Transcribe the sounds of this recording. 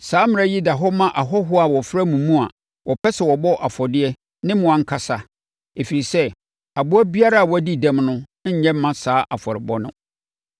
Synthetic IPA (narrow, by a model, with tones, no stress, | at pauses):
saː˨˦mɪ̃˨˦a˦ji˦da˨ɦɔ˦mã˦ʔa˨ɦɔ˦ɦʊ˦a˨wɔ˨fɾa˦mũ˨mũ˦a̰˨ | wʔɔ˨pʰɛ˦sɛ˨wɔ˨bɔ˦ʔa˨fɔ˨dɪ˦ɛ˦ | nɪ̃˦m̃˨ã˨ŋ̩˦kʰa˨sa˦ | e˨fi˨ɾi˨sɛ˦ | a˨bʊ˦æ˦bi˦a˦ɾa˦a˨wɔ˨˦æ˦di˦dã˦mnʊ̃˦ɲɛ̃˦m̩˦mã˦saː˦ʔa˨fɔ˨ɾɪ˨bɔ˦nʊ̰̃˦